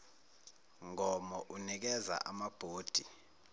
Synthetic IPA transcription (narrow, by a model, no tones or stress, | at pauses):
ŋɔmɔʔunik̬ɛza̰ʔamab̥ʱoːd̥ʱi